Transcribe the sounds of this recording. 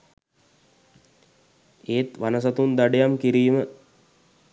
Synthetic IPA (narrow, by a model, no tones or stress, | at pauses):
eːt̪ʋanəs̬ɐt̪und̪aɖejamkiɾiːmə